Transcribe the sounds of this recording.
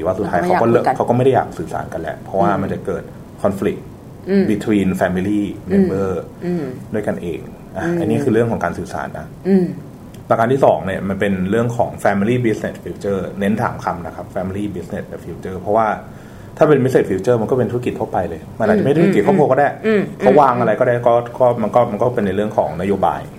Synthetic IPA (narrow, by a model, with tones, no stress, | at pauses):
i˨˦waː˥˩su˨˩t̪ʰːaː˧jkʰa˦kɔ˥˩lʰa˦wkɔ˥˩ma˥˩jda˥˩ja̰ː˨˩k̚sɯː˨˩sa̰ː˩˦nka˧nlɛ̰˦˥ʔpʰɾɔ˦˥waː˥˩ma˧nt͡ɕa˨˩kɤː˨˩t̪̚ | kʰɔ˧nflḭ˨˩k̚ | bi˨˧˩t̪ʰwiː˧nfɛː˧mi˧liː˥˩me˧nbɤː˥˩ | du˥˩əjka˧nʔḛː˧ŋ | ʔa˨˩ʔa˧nːiː˦˥kʰɯː˧ɾɯ˥˩əŋʰɔː˩˦ŋkaː˧nsɯː˨˩sa̰ː˩˦nːa˦˥ | pɛː˧˩kaː˧nt̪ʰiː˥˩sɔ̰ː˩˦ŋni˥˩əma˧npe˧nɾɯ˥˩əŋkʰɔ̰ː˩˦ŋfɛː˧mi˧liː˥˩bi˦˥sne˨˩t̪̚fiː˧˥wt͡ɕɤː˥˩ne˦˥nt̪ʰa̰ː˩˦mkʰa˧mna˦˥kʰa˦˥p̚fɛː˧mi˧liː˥˩bi˦˥sne˨˩t̚bɛ˨˩fiː˨˦˥wt͡ɕɤː˥˩pʰɔ˦˥waː˥˩ | t̪ʰaː˥˩pe˧nbi˦˥s̬e˨˩fiː˧˥wt͡ɕɤː˥˩ma˧nkɔ˥˩pe˧t̪ʰu˦˥ki˨˩t̪ʰːpa˧jlɤː˧jma˧nʔa˨˩t͡ɕma˥˩˥i˨˩t̪̚kʰɔ˥˩kʰu˧˥˧kɔ˥˩daː˥˩jkʰa˦˥waː˧ŋʔa˧ɾa˧jkɔː˥˩aː˥˩kɔː˥˩kɔː˥˩ma˧nkɔː˥˩ma˧nkɔː˥˩pe˧nːa˧jɾɯ˥˩əŋkʰɔ̰ː˩˦ŋna˦˥joː˧ba̰ː˧j